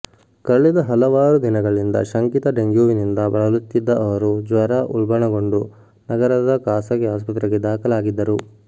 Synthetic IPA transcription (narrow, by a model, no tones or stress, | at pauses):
kɐɭːid̪ɐɦɐlɐʋaːɾud̪inɐɡɐɭind̪ɐ̰ʃɐŋkit̪ɐɖeŋɡjuːʋinind̪ɐbɐɭɐlut̪ːid̪ːɐʔɐʋɐɾud͡ʒʋɐɾaʔuɭbɐɳɐɡo̞ɳɖu | nɐɡɐɾɐd̪ɐkaːsɐɡiaːspɐt̪ɾɛɡed̪aːkɐlaːɡid̪ːɐɾu